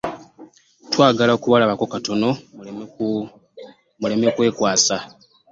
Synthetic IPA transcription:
twaːɡalaokuβalaβako̞kato̞no̞ | mule̞mekwe̞ːkwaːsa

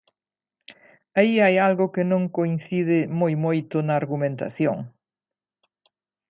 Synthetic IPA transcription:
aiajalɣʊkɪnõŋkoinθiðɪmojmojt̪ʊnɐːɾɣumẽnt̪a̰θjo̰ŋ

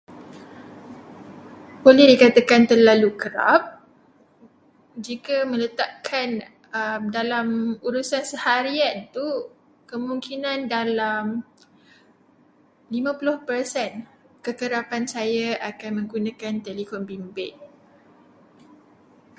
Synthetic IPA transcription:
bolɛhdikat̪akant̪ərlalukəɾa̰p̚ | d͡ʒikamə̃lət̪aʔkʰan | əmdalamuɾusansəhaɾiant̪u | kəmuŋkinãndalam | limãpulʊhpərsɛn | kəkəɾapansajaʔakanmə̃ŋɡunãkant̪elikɔnbimbɪt̪̚

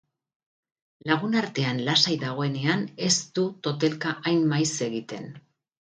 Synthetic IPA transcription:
laɣ̞unaɾt̪e̞anlasajðaɣ̞o̞e̞ne̞ane̞st̪ut̪o̞t̪e̞lkaʔajmmajse̞ɣit̪e̞̰n

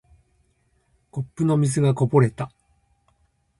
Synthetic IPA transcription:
ko̞pːɯ̟no̞mʲiz̬ɨɡako̞bo̞ɾe̞t̪a

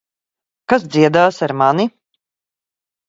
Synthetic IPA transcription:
kas̬d̪ziɛd̪aːsaɾmani

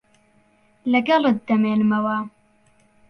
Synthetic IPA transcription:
lɐɡɐlɨt̪̚d̪ɐmeːnɨmɐwɐ

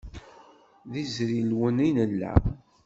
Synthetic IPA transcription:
ðizɾilwəninəlːæ̰

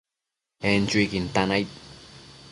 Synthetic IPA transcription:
ent͡ʃuikint̪anajt̪̚

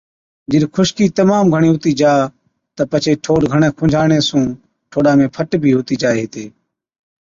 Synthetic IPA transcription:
d͡ʒɪɗkʰʊʃkiːt̪əmaːmɡʱəɳiːɦʊt̪iːd͡ʒaː | t̪əpət͡ʃʰeːʈʰoːɖɡʱəɳẽːkʰʊ̃ːd͡ʒʱaːɳeːsũː | ʈʰoːɗaːmẽːpʰəʈbʱiːɦʊːt̪iːd͡ʒaːeːɦɪt̪eː

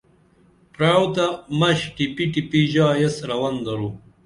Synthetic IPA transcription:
pɾaːwt̪amɐɕʈipiʈipiʑaːjesɾɐwɐnd̪ɐɾu

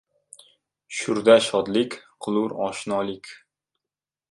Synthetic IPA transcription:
ʃʊɾd̪aʃɒd̪lɪkʲqʰʊlˠʊɾɒ̰ʃnɒlɪkʲ

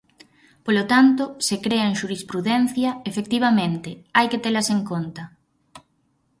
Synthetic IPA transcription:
polot̪ant̪osekɾeɐeŋʃuɾispɾuðɛn̟θjɐefekt̪iβ̞ɐmẽnt̪ɪajket̪elɐseŋkont̪ɐ

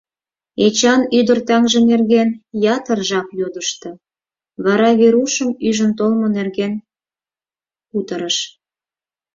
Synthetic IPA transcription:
et͡ɕɑnyd̪ərt̪ɑŋʒĕnerɣenjɑt̪ərʒɑkjod̪əʃt̪ɤ̆ | βɑɾɑβeɾuʃəmyʒə̆nt̪olmonerɣen | ut̪əɾəʃ

